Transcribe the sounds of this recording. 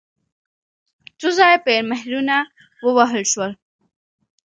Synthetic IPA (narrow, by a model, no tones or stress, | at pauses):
t̪uzɑjpeɾmahɾuna | wəwaɦəlʃwəl